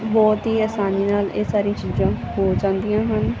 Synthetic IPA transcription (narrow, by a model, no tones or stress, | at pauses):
bɔːt̪ɦiːəːsaːniːnaːleːsaːɾĩãːt͡ʃiːzãːɦoːd͡ʒãːnd̪ijãːɦən